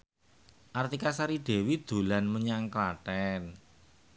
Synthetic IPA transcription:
ʔart̪ikasaɾiɖ̥e̤wid̪̥o̤lanməɲaŋklaʈɛn

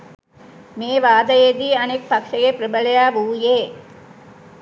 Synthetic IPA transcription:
meːʋaːd̪ɐjed̪iːɐnek̚pɐkʂɐɡepɾɐbɐlɐjaːʋuːjeː

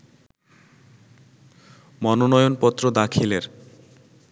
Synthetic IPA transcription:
mɔnonɔjonpɔt̪ːɾod̪akʰileɾ

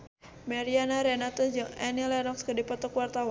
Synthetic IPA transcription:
maɾianaɾɛnat̪ɔd͡ʒɨŋɛnilɛnɔkskədipɔt̪ɔkwart̪awa

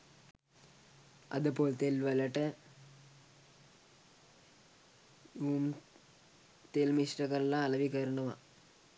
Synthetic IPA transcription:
ɐ̰ðɨpːoːlt̪elʋɐlɐʈːɨ | uːm | t̪elmiʂʈɐkɐɾlːaːlɐʋikɐɾɐɳɐma̰

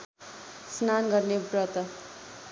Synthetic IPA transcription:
snanɡʌrnebrʌt̪ʌ

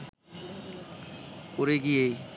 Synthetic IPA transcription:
koɾeɡijej

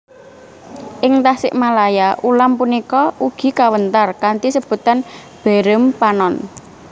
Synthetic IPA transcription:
ʔɪŋt̪asɪ̰ʔmalajaʔulampunikɔʔuɡ̥i̤kawənt̪arkant̪isəb̥ṳt̪an | b̥ɛ̤ɾəmpanɔn

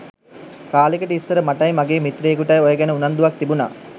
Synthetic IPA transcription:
kaːlikəʈəisːəɾəmaʈɐjmaɡeːmit̪ɾeːɡuʈɐjojəɡɛnəunɐnd̪uʋak̚t̪ibuna̰ː

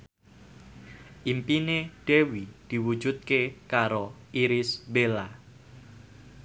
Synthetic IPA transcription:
ʔimpineɖ̥ewid̪̥i̤wu̥d͡ʒṳt̪̚kekaɾo | iɾɪsbela

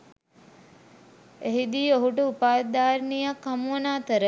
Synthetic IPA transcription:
eɦid̪iːoɦuʈəupaːd̪aːɾnijakːamuʋənaːt̪əɾə

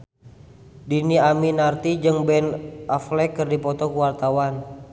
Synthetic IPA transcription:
diniaminart̪id͡ʒɨŋbɛnʔaflɛkːɨrdipɔt̪ɔkuwart̪awan

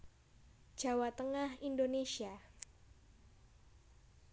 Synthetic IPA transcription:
d̥ʒ̥a̤wat̪əŋahindonesia

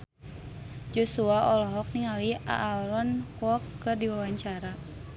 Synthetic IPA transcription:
d͡ʒɔsuaɔlɔɦɔk̚niŋalia̰ʔːɾɔnkwɔkːɨrdiwawaɲt͡ʃaɾa

